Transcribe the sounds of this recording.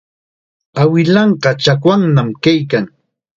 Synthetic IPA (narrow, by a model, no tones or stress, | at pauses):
awɪlɑɴɢɑt͡ʃakwaŋnamkajkaŋ